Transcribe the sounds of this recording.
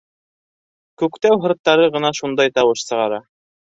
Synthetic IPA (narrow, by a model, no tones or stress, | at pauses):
kʉkt̪æwɦɤ̆ɾt̪ːɑɾɤʁɤ̆nɑʃund̪ɑjt̪ɑwɤʃsɤ̆ʁɑɾɑ